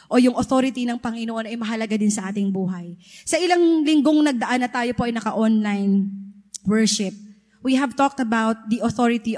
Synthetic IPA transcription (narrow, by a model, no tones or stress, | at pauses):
ʔo̞jʊŋʔoθo̞ːɾɪt̪inɐŋpɐŋɪnoʔo̞nɐjmɐɦɐlɐɡad̪ɪnsɐʔaːt̪ɪŋbuːɦɐjsɐʔɪlaŋlɪŋɡo̞ŋnɐɡ̚d̪ɐʔanːɐt̪aːjo̞po̞ʔɐjnɐkɐʔonlajnwɛɹʃɪp̚ | wiɦɐvt̪ok̚t̪ɐbawt̪̚d̪iʔoθoɹɪt̪i